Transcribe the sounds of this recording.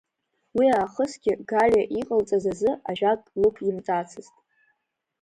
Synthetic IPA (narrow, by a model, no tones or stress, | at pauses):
wiaːχəsɡʲɪɡalʲaʔiqʼəlt͡sʼazazɨaʒᶣatʼlɨpʰɪmt͡sʼat͡sʰɨztʼ